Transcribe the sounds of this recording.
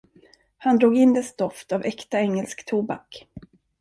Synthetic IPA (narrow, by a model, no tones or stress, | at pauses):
hand̪ɾuːɡɪnd̪ɛst̪ɔft̪avɛkt̪aɛŋːɛlskt̪ʰuːbak